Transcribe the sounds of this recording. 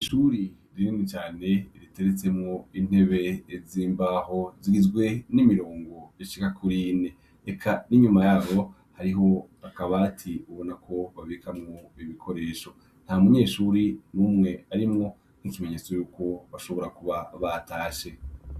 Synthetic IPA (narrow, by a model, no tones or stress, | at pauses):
iʃuɾi | ɾininit͡ʃaːne̞ɾite̞ɾet͡se̞mŋoin̥he̞βe̞ːziːmbaɦo̞ziɡizɡwe̞nimiɾo̞ːŋɡo̞eʃi̥kakʰuɾine̞ | ekʰaniɲumajaːβo̞ | haɾiɦo̞ | akaβatʰiuβo̞nakʰo̞βaβekamŋo̞iβikʰo̞ɾe̞ːʃo̞ | n̥haumuɲe̞ːʃuɾinuːmŋe̞aɾimŋo̞ | nicime̞ɲe̞t͡so̞juːko̞βaʃo̞βo̞ɾakuβaβataːʃe̞